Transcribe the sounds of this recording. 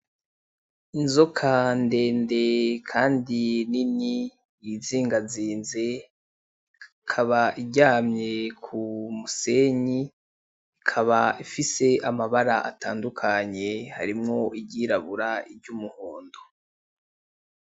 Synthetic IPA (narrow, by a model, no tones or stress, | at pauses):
inzokʰande̞ːnde̞kʰaːndinini | jiziːŋɡaziːnze̞ | kʰaβaiɟaːmɲe̞kʰumuse̞ɲi | ikʰaβaifise̞ʔamaβaɾaʔa̰ta̰ːndukʰaɲe̞ha̰ɾimŋo̞iɟiːɾaβuɾaibɟumuhoːndo